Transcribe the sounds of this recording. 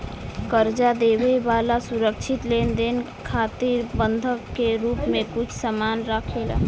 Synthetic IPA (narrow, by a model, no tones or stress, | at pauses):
kəɾd͡ʒad̪ebebalasuɾəkt͡ʃʰit̪lend̪en | kʰat̪iɾbənd̪ʱəkːeɾuːpmẽkut͡ʃʰsəmanɾakʰela̰